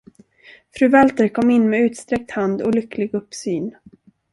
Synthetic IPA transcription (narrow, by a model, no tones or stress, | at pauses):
fɾʉ̟ːvalt̪əɾkʰɔmːɪnːmɛʉ̟ːt̪st̪ɾɛk̚t̪hand̪ɔlʏkʰːlɪɡɵpːsyːn